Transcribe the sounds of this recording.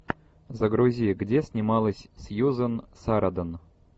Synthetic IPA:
zəɡɾuzʲijɡdʲesʲnʲɪmɑlˠəsʲsʲjuzənsaɾad̪ən

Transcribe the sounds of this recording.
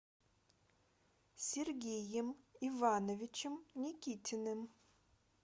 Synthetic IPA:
sʲerɡʲejɪmivanovʲɪt͡ʃʰɪmnʲikʲitʰɪnɨm

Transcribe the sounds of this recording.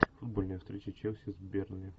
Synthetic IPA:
fʊd̪bolʲnəjəfst̪ɾʲet͡ʃət͡ɕewˠsʲɪzʲbʲernɨjə

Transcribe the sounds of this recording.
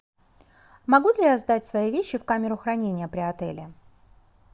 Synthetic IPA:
mɐɡulʲɪjazd̪atʲsvɐjivʲeɕːɪfkamʲɪɾʊxɾɐnʲenʲɪjəpɾʲɪɐt̪ɛ̰lʲɪ

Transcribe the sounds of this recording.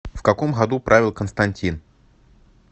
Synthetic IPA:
fkɐkomɣɐd̪upɾʔavʲɪlˠkənst̪ɐnʲtʲin

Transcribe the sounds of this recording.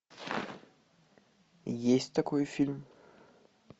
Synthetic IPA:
jesʲd̪ɐkʰɔjfilm

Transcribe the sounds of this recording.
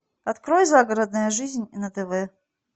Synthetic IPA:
ɐt̪kɾojzaɡəɾəd̪nəjəʐɨzʲnʲinɐt̪ɛvɛ

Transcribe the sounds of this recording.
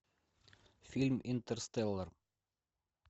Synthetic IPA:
filʲmint̪əɾst̪elˠːəɾ

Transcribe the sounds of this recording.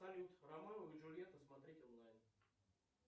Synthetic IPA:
ɐlʲut̪rɐmanəvɨʐʊlʲɪjet̪əsmɐt̪ɾʲetʲonlˠajn

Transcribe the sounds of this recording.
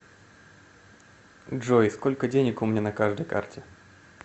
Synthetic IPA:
ʐojsko̞lʲkədʲenʲɪkʊmʲnʲanɐkaʐd̪əjka̰rtʲɪ

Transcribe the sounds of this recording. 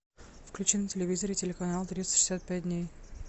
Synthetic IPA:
fklʲʉt͡ɕɪntʲɪlʲɪvʲizəɾɪtʲɪlʲɪkɐnalˠt̪ɾʲit̪sə̥ʂɨ̥sʲat̪̚pʲæt̚ʲdʲnʲej

